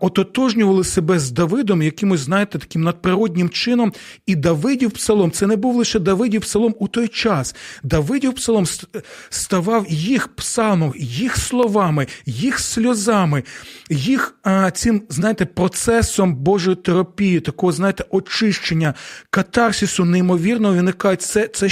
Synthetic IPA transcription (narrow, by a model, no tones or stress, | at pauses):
ɔt̪ɔt̪ɔʒnʲʊʋɐlˠɪsebɛzd̪ɐʋɪd̪ɔmjɐkɪmʊzʲznɑjet̪ɛt̪ɐ̥kʲimnɐd̪̚pɾɪɾɔdʲnʲɪmt͡ʃɪnɔm | id̪ɐʋɪdʲiwpsɐlˠɔmt̪sɛnɛbuwlˠɪʃɛd̪ɐʋɪdʲiwpsɐlˠɔmut̪ɔjt͡ʃɑsd̪ɐʋɪdʲiwpsɐlˠɔmst̪ɐʋɑwjixpsɑlˠmɔjixslˠɔʋɑmɪjixsʲlʲɔzɑmɪjixt͡sʲɪmznɑjet̪ɛpɾɔt̪sɛsɔmbɔʒɔjit̪eɾɐpʲijit̪ɐkɔɦɔznɑjet̪ɛʔɔt͡ʃɪʃt͡ʃenʲːɐkɐt̪ɑrsʲisʊneimɔʋʲirnɔɦɔʋʲinɪkɑʒetʲt̪sɛt̪sɛ